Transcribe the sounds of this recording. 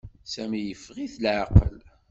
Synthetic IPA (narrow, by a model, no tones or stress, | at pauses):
sæmijəfːʁiθlʕɑqə̰l